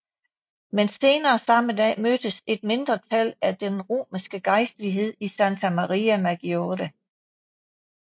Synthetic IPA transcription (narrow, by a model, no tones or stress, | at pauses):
mense̝ːnɐːsɑ̈məd̥ɛ̰ːmød̥əse̝d̥̚me̝nd̥ʁɐt͡sʰælæd̥enʁo̝̰ːmisɡ̥əɡ̥ɑ̈ɪsd̥əliɦe̝ð̞̰ˠisænt͡sʰæmɑʁiæmæɡ̥ioɾ̥æ